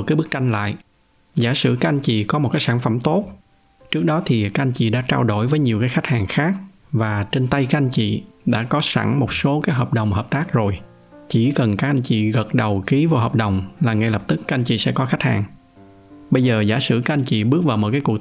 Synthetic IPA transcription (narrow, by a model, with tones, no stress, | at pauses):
kaː˨˦jɓɨ˦˥k̚t͡ɕa˧jŋ̟la̰ː˧˨j | zaː˧˩sɨ̰˧˩kaː˦˥k̚ʔn̟t͡ɕḭ˧˨kɔ˨˦mo˨˩t̚kaː˨˦jsaː˧˩nfə˧˩mt̪o˦˥t̚ | t͡ɕɨ˦˥ək̚ɗɔ˨˦t̪ʰi˨˩kaː˦˥ʔa˧jnt͡ɕḭ˧˨ɗa̰ː˧˥t͡ɕaː˧wɗo˧˩jvəː˨˦jɲi˨˩əwkaː˨˦jxa˦˥k̟̚haː˨˩ŋxaː˦˥k̚ | vaː˨˩t͡ɕe˧nt̪ə˧jkaː˦˥ʔa˧n̟t͡ɕḭ˧˨ɗa̰ː˧˥kɔ˨˦sa̰˧˩ŋmo˨˩t̚so˨˦kaː˨˦jɦəː˨˩p̚ɗə˨˩wŋ͡mɦəː˨˩p̚t̪aː˦˥k̚zo˨˩j | t͡ɕi˧˩kə˨˩nkaː˦˥k̚ʔa˧jn̟t͡ɕḭ˧˨ɣə˨˩t̚ɗə˨˩wki˨˦vo˧˨˩ɦəː˨˩p̚ɗə˨˩wŋ͡mlaː˨˩ŋa˧jlə˨˩p̚t̪ɨ˦˥k̚ːa˦˥ʔa˧ŋt͡ɕḭ˧˨sɛ̰˧˥kɔ˨˦xa˦˥k̟̚ha̰ː˨˩ŋ | ɓə˧jzəː˨˩zaː˧˩˦sɨ̰˧˩kaː˦k̚ʔa˧nt͡ɕḭ˧˨ɓɨ˦˥ək̚vaː˨˩wmo˨˩kaː˨˦ku˨˩ək̚